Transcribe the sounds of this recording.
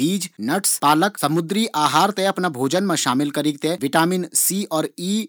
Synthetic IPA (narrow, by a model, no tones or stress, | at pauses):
iːd͡ʒnɐʈspaːləksɐmʊd̪ɾiʔaːɦaːɾt̪eɐpnabʱoːd͡ʒənmẽʃaːmɪlkɐɾiɡ̚t̪eʋɪʈaːmɪnsiːɔːɾiː